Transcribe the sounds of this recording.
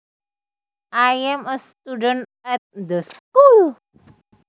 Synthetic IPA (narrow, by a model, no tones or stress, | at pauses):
ʔajɛməst̪udən | ɛt̪̚nd̪əskul